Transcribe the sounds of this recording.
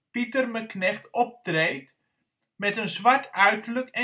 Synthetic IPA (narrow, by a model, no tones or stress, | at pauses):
pitərməknɛχtɔp̚trejt | mɛtənzʋaɹtœɥtələkɛ